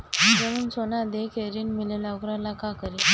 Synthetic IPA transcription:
təɾuːnsonad̪ekʰeɾiːnmilelakɾalakakəɾi

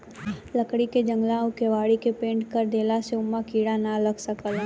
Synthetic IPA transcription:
ləkɽiked͡ʒə̃ŋɡlaːõkeʋaːɽikepẽːɳʈkəɾd̪eːlaseʊmːakiːɽanalɐɡsɐkəl

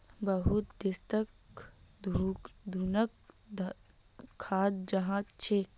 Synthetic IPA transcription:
bəɦut̪d̪ɪst̪ək | d̪ʱud̪ʱuːnək | d̪ | kʰːaːd̪̚d͡ʒɐɦãt͡ʃʰeːk

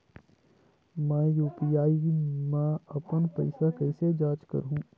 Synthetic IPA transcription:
mɛ̃ːjuːpijaːimãɐpənpɐɪsakɐɪsed͡ʒaːt͡ʃkə̰ɾɦũː

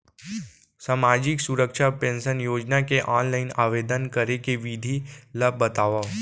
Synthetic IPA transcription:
saːmaːd͡ʒɪksʊɾəkʃapẽːnsənjoːd͡ʒnakeʔaːnlaːɪnaːʋeːd̪ənkɐɾekeʋid̪ʱiləbbːɐt̪aːʋa

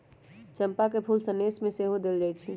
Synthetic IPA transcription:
t͡ʃəmpakepʰuːlsənesmẽseɦod̪eld͡ʒaːjt͡ʃʰi

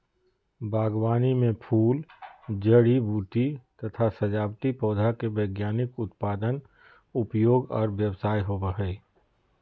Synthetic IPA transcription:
bʱaːɡwaːnimẽpʰuːld͡ʒəɽibuːt̪it̪ɐt̪ʰasɐd͡ʒaːbt̪ipɔːd̪ʱakebəːɡjaːnɪkʊt̪paːd̪ən | ʊpjoːɡɔ̰ːɾʋjəwsaːjɦobəɦeː

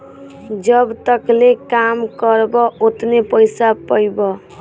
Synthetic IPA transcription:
d͡ʒəbt̪əklekamkəɾbɔot̪nepəjsapəjbɔ

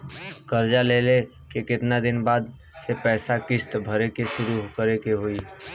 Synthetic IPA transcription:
kəɾd͡ʒalele | kekɪt̪nad̪inbad̪ | sepɛːsakɪst̪bʱəɾekesʊɾuɦkəɾekeɦoi

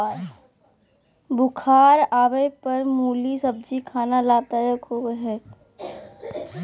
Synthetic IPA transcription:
bʊkʰaːɾaːʋəpɐɾmuːlisɐb̚d͡ʒikʰaːnalaːt̪ajəkɦoːeɦɛː

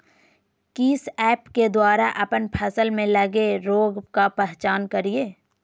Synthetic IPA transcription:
kiːsɛːpked̪waːɾaʔɐpənpʰəsəlmẽlɐɡeɾoːɡkapɛɦt͡ʃaːnkɐɾieː

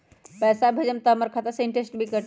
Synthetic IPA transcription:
pɛsabʱed͡ʒəmt̪əməɾkʰət̪əseɳʈesʈbʱikəʈ

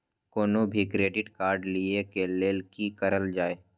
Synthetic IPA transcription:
koːnobʱikɾeːɖɪʈkaːɾɖliekeleːlkikəɾəld͡ʒaːeː

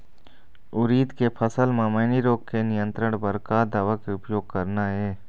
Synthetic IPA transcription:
ʊɾiːd̪kepʰəsəlmãmeːniɾoːkkenɪjə̃nt̪ɾəɽ̃bəɾkaːd̪aːʋakeʊpjoːɡ̚kəɾnaɦɛː

